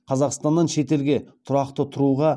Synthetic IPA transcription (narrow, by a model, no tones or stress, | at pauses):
qʰɑzɑqst̪ɑnːɑnʃe̞t̪e̞lɡʲe̞t̪ʰʊɾɑqt̪ət̪ʰʊɾuʁɑ